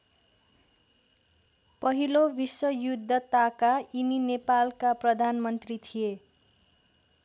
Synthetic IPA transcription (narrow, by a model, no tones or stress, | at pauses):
pʌɦilobiswʌjud̪ʱːʌt̪akaininepalkaprʌd̪ʱanmʌnt̪rit̪ʰije